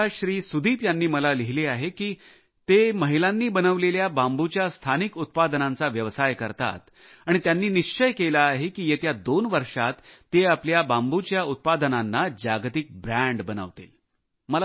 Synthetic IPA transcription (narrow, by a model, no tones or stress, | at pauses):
aɕɾiːsud̪ʱiːpjanːiːməlaliɦileaɦekiː | t̪eməɦilanːiːbənəʋleljabambut͡ɕjast̪ʰanikut̪̚pad̪nãnt͡saʋjəʋsajkəɾt̪a̰t̪ | aɽ̃it̪janːiːniʂt͡ɕəjkelaːɦekiːjet̪jad̪onʋəɾʂat̪ːeapljabambut͡ɕjaut̪̚pad̪nanːad͡ʑaɡt̪ik̚bɾæɳɖbənə̰ʋt̪ḭl | məl